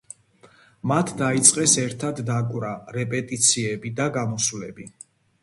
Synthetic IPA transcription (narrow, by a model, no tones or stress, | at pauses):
mat̪ʰd̪ait̪sʼqʼɛsɛɾt̪ʰad̪ːakʼwɾaɾɛpʼɛt̪ʼit̪sʰiɛbid̪aɡamɔsulɛbi